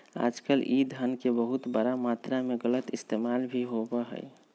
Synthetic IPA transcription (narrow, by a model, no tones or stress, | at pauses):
a̰ːd͡ʒkəlʔid̪ʱənkebəɦut̪bəɾamat̪ɾameɡələt̪ɪst̪emalbʱiɦobəɦə̰j